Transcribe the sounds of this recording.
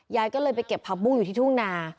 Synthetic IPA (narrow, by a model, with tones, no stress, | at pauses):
jaː˧jkɔː˥˩lɤː˧jp̬a˧jke˨˩pʰːa˧k̚bu˥˩ju˨˩t̪ʰiː˥˩t̪u˥˩ŋnaː˧